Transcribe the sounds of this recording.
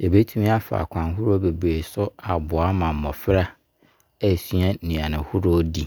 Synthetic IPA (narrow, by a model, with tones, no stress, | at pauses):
e˨be˦tʰũ˦mĩ˦a˦fa̰˨kʷʰã˨nɦu˦ɾo˦be˨be˨sʊ˦a˨bʊ˨a˦mã˨m̩˨mɔ̃˨fɪ˦ɾa˦ | æ˦sɥa˦nĩ˨a˨nɪ̃˨hu˦ɾo˦di˨